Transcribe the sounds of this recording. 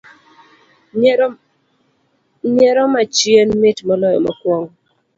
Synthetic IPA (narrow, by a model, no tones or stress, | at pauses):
ɲɛɾɔmat͡ʃjenmɪtmɔlɔjɔ̰makwɔŋ